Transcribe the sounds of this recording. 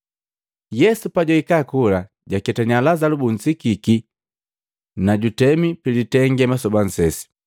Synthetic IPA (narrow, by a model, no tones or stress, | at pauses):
jɛsupaɟɔikakula | ɟakɛtaɲalazalubuɲ̩sikiki | naɟutɛmipilitɛŋɡɛmasɔban̩sɛsi̥